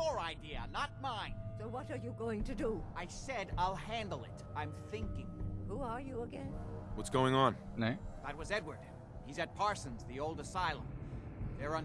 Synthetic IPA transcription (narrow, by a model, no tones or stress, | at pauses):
jəɹaɪdiɨ̰nət̚mãɪ̃nsoʊwʌɾə˞jɨɡoʊɪ̃ŋtʰɨduaɪsɛɾaɪlˠhæ̃ndˡl̩ˠɪ̰tãɪ̃mθɪ̃ŋkɪ̃ŋhuə˞jɨəɡɛ̃nwʌtsɡ̥oʊɪ̃ŋə̃nneɪðət̚wʌzɛd̚wə˞d̥̚ | hizɨt̚pʰɑɹsɨ̃nzðioʊlˠdəsaɪlˠə̃m | ðə˞ə̃